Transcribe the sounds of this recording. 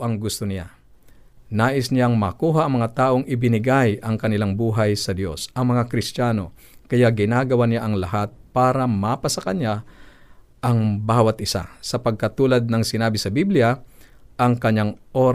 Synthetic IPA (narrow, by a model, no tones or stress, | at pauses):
ʔɐŋɡʊst̪onɪja | naːʔɪsnɪjaŋmɐkuːɦaʔɐŋmɐŋat̪aːʔoŋʔɪbɪnɪɡajɐŋkɐnɪlaŋbuːɦɐjsɐd̪jo̞sʔɐŋmɐŋakɾɪst̪aːno̞ | kɐjaɡɪnaːɡɐwanɪjaʔɐŋlɐɦat̪̚paːɾɐmapɐsɐkɐɲja | ʔɐŋbaːwɐt̪̚ʔɪsa̰sɐpɐɡ̚kɐt̪uːlɐd̪̚nɐŋsɪnaːbɪsɐbiblɪja | ʔɐŋkɐɲːaŋʔoːɾ